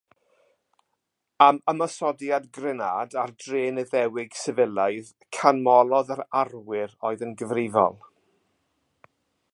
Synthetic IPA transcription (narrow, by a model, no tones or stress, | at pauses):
aməmasɔdjadɡrɛnaːdardreːnəðɛwɪɡ̥sɛvəlˠajð | kʰanmɔlˠɔðaɾarwɪɾoːɨðənɡəvrɪvɔ̰lˠ